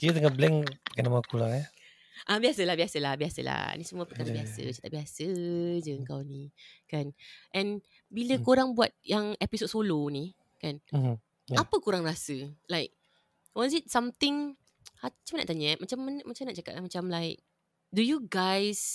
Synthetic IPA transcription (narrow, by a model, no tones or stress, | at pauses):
kit̪ət̪əŋaʔblɛŋkanamaakulaa | ʔabiasəlahbiasəlahbiasə̰la̰nĩsəmuapəkaɾabiasə̰t͡ʃḁt̪aʔbiasəd͡ʒəəŋkawnikanʔɛ̃n | biləkoɾaŋbuat̪̚jaŋɛpisod̚soloni | kan̩ | jaapəkuɾaŋrasəlajk̚ | wɔzit̚sãmt̪ɪ̃ŋ | haat͡ʃamna̰ʔt̪aɲəmat͡ʃamːanmat͡ʃãmnaʔ̚t͡ʃaka̰t̚lamat͡ʃamlaɪk̚ | dujuɡajs